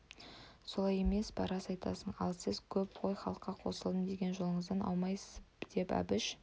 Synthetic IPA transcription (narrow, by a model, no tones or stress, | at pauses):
so̞lˠɑje̞me̞sbɑ̰ɾɑsɑjt̪ɑ̰səɴɑ̰lˠsɪzkʲʰɵpqʰo̞jχɑlˠəqːɑqʰo̞səlˠd̪əmd̪e̞ɡʲe̞nʒo̞lˠəɴəzd̪ɑnɑ̰wmɑjsə̥zd̪̥e̞pæ̰bɪʃ